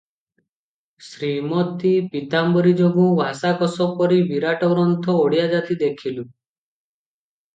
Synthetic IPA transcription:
sɾimɔt̪ipit̪ambɔɾid͡ʒɔbũbʱasakɔsɔpɔɾibiɾaʈɔɡɾɔnt̪ʰɔoɽijad͡ʒat̪id̪ekʰilu

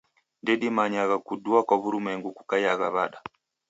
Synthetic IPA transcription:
ndeɗimaɲaɣakuduakoβuɾumeŋɡukukajaɣa̰βa̰ɗa

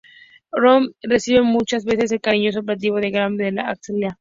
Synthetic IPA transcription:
romresiβe̞mut͡ʃazβe̞se̞s̬e̞lkaɾiɲos̬opɾat̪̬iβoðeɣɾambeðelaakslja

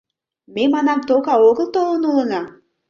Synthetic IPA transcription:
memɑnɑmt̪okɑoɣəlˠt̪olˠə̆nulˠɤ̆nɑ

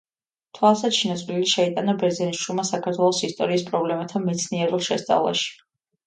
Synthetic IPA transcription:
t̪ʰwasat͡ʃʰinat̪sʼliliʃɛit̪ʼanabɛɾzɛniʃulˠmasakʰaɾt̪ʰwɛlˠɔsist̪ʼɔ̰ɾiːspʼɾɔblɛmat̪ʰamɛt̪sʰniɛɾulˠʃɛst̪sʼa̰vlˠa̰ʃi̥

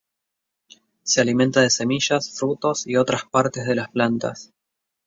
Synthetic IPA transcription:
sealimẽ̞nt̪aðese̞miʒasfɾut̪o̞sio̞t̪ɾaspaɾt̪e̞zðe̞lasplant̪a̰s

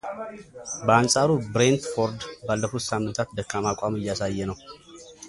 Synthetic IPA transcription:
bəansʼaɾubɾent̪foɾd̪balːəfut̪samːɨnt̪ʰat̪̚d̪əkːamakʷʼamɨjːasajːɛnəw

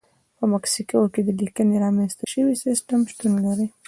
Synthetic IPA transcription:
pəmaksikaoked̪əlikəneɾɑmanst̪əʃəwisɪsʈəmʃt̪unlaɾi

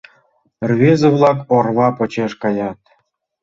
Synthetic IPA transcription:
rβʲezĕβlˠɑkorβɑpɤ̆t͡ɕeʃkɑjɑt̪̚

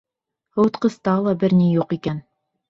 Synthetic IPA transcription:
hɤ̆wt̪qɤ̆st̪ɑlˠɑbɘɾnijuqikæn

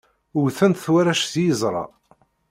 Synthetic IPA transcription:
ʊwθənt̪θwaɾæʃθjəzˤɾˤɑ̰

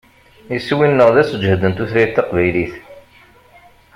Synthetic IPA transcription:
iswinːəʁðæsəd͡ʒːhd̪ənt̪uθɾæjt̪ːɑqvæjliθ

